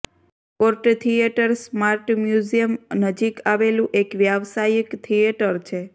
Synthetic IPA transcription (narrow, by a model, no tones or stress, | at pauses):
koɾʈt̪ʰijeʈəɾsmaɾʈmjuzijəmnəd͡ʒikaʋelũʔekʋjaʋsajəkt̪ʰijeʈəɾt͡ʃʰe